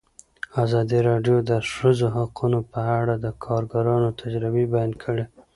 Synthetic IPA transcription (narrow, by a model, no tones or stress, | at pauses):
azɑd̪iɾɑɖjod̪əʃəzoɦaqʰunopəaɽad̪əkʰɑɾɡaɾɑnot̪ʰad͡ʒɾɪbebajɑnkʰəɽe